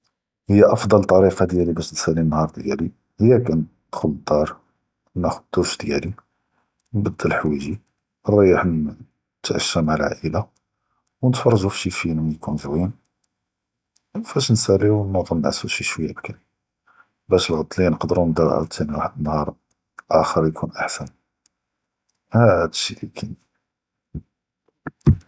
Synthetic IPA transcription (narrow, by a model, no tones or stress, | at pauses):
həjːæʔɑfd̪ˤɑlt̪ˤːɑɾifɑd̪jælibæʃnsælːinːhɑɾˤd̪jæli | həjːækæn | d̪̥xʊlːəd̪ːɑɾˤ | næxʊd̚d̪uʃd̪jæli | nbɑd̪ːəlħwiʒi | ərˤːɑjːəħn | t̪ʕə̰ʃːæmaʕəlʕa̰ʔəla | wnət̪fɑrˤːɑʒufʃifinumjkunzwin | nfæʃnsælːiwnmud̪ˤɑnnʕasuʃiʃwəjːabkæn | bæʃəlɣɑt̪ˤːlijnəqd̪əɾunəd̪ɑɾˤʕa̰lt̪ʰːæniwaħəd̪ənːhɑɾˤ | ʔæxəɾˤjkʰunʔaħsæn | hæd̪əʃːilikʰæn